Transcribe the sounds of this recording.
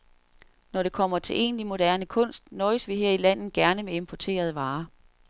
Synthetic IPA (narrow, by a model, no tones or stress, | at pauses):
nɒɾ̥e̝kʰɒ̽m̰ɐt͡sʰe̝lʔe̝̰ːnlimo̝d̥æɐnəkʰɔ̽n̰sd̥nɒːɪsʋiɦeɐ̰ilæn̰ð̩ɡ̥æɐnəmeempʰɒt͡sʰe̝̰ːɐð̞̩ˠəʋɑ̈ː